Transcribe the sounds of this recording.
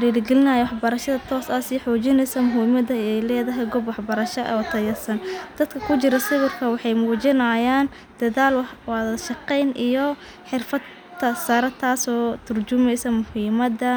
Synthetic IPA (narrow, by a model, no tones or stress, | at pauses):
fɾiːɾɡɛlɪnɐjɛwɑħbɐɾɐʃɐðɐt̪ʰɔːsɐsiːħɔːt͡ʃɪnɛjsɐmʊɦiːmɐd̪ɐɛjlɛːðɐɦɛjɡɔbwɑħbɐɾɐʃɐʔɐ̰ɔːt̪ʰɐjɐsɐnd̪̥ɐd̪kʰɐkʰʊt͡ʃɪɾɐsɪɣʊrkʰɐwɑħɑjmuːt͡ʃɪnajaːn | d̪̥ɐðaːlwwɑðɐʃɑqɛjnʔijɔ | ħɪrfɐd̪ʰ | ɐsɐɾɐt̪ʰaːsɔːt̪ʰʊrd͡ʒʊmɛjsɐmʊhiːmɐd̪ɐ